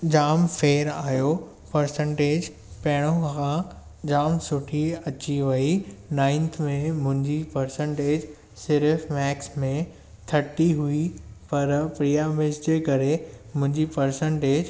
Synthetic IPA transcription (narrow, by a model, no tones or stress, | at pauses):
d͡ʑaːmfeːɾaːjo | pɐɾsə̃ɳʈeːd͡ʑ | pɐɦɪɽ̃õkã | d͡ʑaːmsʊʈʰiɐt͡ɕiʋɐinãːɪ̃nt̪ʰmẽmʊ̃ɦɪ̃ɲd͡ʑipɐɾsə̃ɳʈeːd͡ʑ | sɪɾfmɛːksmẽ | t̪ʰɐʈiɦuipɐɾpɾijamɪsd͡ʑekɐɾemʊ̃ɦɪ̃ɲd͡ʑipɐɾsə̃ɳʈeːd͡ʑ